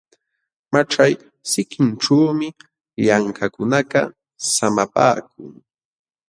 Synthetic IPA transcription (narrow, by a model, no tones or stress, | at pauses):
maʈ͡ʂaj | sɪkɪnʈ͡ʂuːmɪ | ʎaŋkakʊnakɑ | samapa̰ːk̚ʊŋ